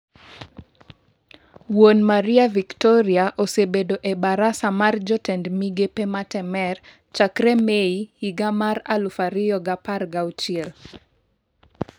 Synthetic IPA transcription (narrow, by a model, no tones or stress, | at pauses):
wonmaɾɪaviktɔɾɪaʔosebedoʔebaɾasamard͡ʒɔtɛndmiɡepematɛmɛr | t͡ʃakɾemeihiɡamaɾalufaɾɪɔɡaparɡawt͡ʃiel